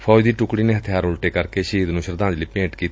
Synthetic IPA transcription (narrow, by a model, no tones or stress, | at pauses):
pʰɔːd͡ʒd̪iːʈʊkɽiːneːɦət̪ʰɪjaːɾʊlʈeːkəɾkeːʃiːd̪nũːʃəɾd̪ãːɲd͡ʒliːpẽːʈkiːt̪ː